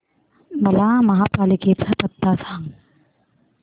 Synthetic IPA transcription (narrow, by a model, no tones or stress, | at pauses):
mɐlaːmɐɦaːpaːlikeːt̪sʰɐpɐt̪ːaːsaːŋ